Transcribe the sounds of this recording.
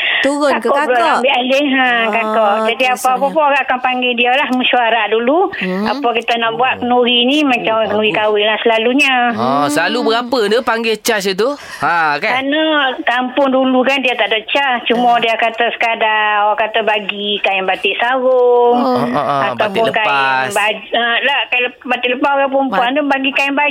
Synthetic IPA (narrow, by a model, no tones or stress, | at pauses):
t̪uakkɔbəɾɔambiʔaliɦakakɔʔd͡ʒadiapaːpapʊnoɣaʔakanpaŋɡɛdialahmuʃuaɾaʔdulua̰pakit̪anaʔbuaʔ̚kənuɾinimat͡ʃamkənuɣikawɪnlahsəlaluɲaɔsəlalubəɡapədəpaŋɡɛt͡ʃas̬it̪̬u | akakanəkampʊŋdulukandiat̪aʔdoʔt͡ʃat͡ʃumadiakat̪asə̥kadawakat̪abaɡikaɪmbat̪ɪʔsaɣʊŋa̰t̪awpʊnkaɪbad͡ʒəlakaləbat̪ɪʔləpakap̬ʊmpuand̪ʊŋbaɡikaɪmba